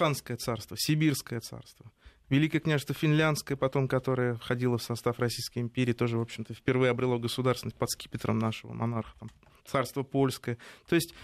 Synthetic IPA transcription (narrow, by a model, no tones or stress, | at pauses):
anskəjət̪sarst̪vəsʲɪbʲirskəjət̪sa̰rst̪və | vʲɪlʲikəjəknʲaʐɨst̪vəfʲɪnlʲant̪skəjəpɐt̪o̞mkɐt̪o̞ɾɨjəfxɐdʲilˠəfsɐst̪afrɐsʲijskəjɪmʲpʲeɾʲɪiːt̪o̞ʐɨvo̞pɕːɪmt̪əfpʲɪrvɨjəɐbɾʲɪlˠoɡəsʊd̪arsʲɪnət̚ʲpɐt̪skʲi̥pʲɪt̪ɾə̰mnaʂɨvə̰mʔɐ̰narxə̥t̪am | t̪sarst̪vəpo̞lʲskəjət̪o̞ɪsʲtʲ